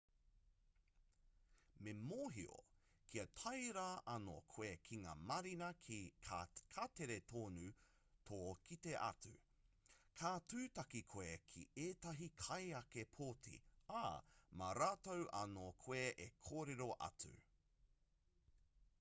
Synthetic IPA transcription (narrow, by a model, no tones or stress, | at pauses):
memoːɦio̰ | kʰiɐtʰɐjɾaʔɐno̰kʰoekʰiŋa̰ːmɐɾinɐkʰikʰateɾetʰoːnʉ | tʰoːkʰiteʔɐ̰t͡sʉ̰ | kʰaːtʉːtɐkikʰoekʰieːtɐɦikʰɐjɐkepʰoːtʰḭamɐ̰ɾaːtowʔɐ̰nokʰweʔekʰoːɾeɾoʔɐ̰t͡sʉ̰